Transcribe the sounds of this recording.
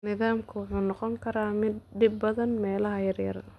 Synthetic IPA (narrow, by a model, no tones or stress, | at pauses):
nɪðaːmkʰʊwʊħuːnɑqɔŋkʰɐɾaːmɪd̪ɖɪbːɐðɐnmɛːlɐɦɐjɐrjɐ̰rɐ